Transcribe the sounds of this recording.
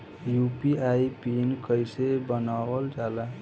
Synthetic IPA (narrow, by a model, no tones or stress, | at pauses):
jupiajpinkəjsebənabəld͡ʒala